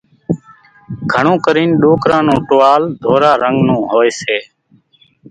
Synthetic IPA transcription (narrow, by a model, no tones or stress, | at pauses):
ɡʱəɳõːkəɾiːnɗoːkɾãːnũːʈoːaːld̪ʱoːɾaːɾəŋɡnũːɦoːeːseː